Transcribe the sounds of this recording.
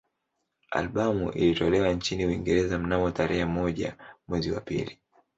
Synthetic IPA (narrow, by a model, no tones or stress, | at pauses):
a̰lɓamṵʔḭlitɔlɛwant͡ʃiniuiŋɡɛɾɛzam̩namɔtaɾɛhɛmɔʄa̰mwɛziwa̰pḭli